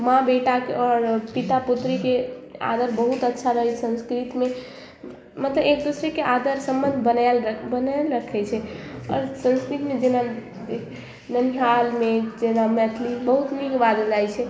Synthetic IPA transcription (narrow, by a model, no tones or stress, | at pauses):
mãbeʈakeɔɾpit̪aput̪ɾikea̰d̪əɾbəɦut̪ətːʃʰaɾəɦɛsə̃nskɾit̪me | mət̪ləbekd̪usɾɛkeʔad̪əɾsə̃mbənd̪ʱbənalbənalɾəkʰɛt͡ʃʰɛɔ̰ɾsə̃nskɾit̪med͡ʒena | nənɦalmed͡ʒenamɛt̪ʰlibəɦut̪miɡbad̪əd͡ʒajt͡ʃʰɛ